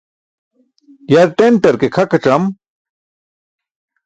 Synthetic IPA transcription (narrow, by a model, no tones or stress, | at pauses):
jɐɾʈeɳʈɐɾkekʰɐkɐʈ͡ʂɐm